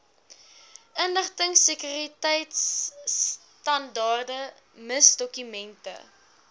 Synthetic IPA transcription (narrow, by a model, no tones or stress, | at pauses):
ʔənləχtəŋsəkyɾritɛjts | tɐndɑːrdə | məsdɔkymɛntə̰